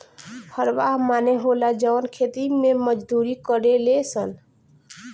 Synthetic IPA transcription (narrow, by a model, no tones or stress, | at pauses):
həɾʋaɦmaneɦolad͡ʒəwnkʰet̪imẽməd͡ʒd̪uɾikəɾelesən